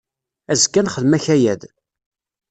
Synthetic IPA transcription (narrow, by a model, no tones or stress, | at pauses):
æzkːænχəðmæçæjæð